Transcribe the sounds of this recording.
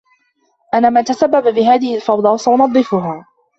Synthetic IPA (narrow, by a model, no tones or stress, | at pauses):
ʔanːaːmant̪asabːababɪɦaːðɪhɪlfɑwd̪ˤɑːsaʔʊnɑd̪ˤːɨfʊɦaː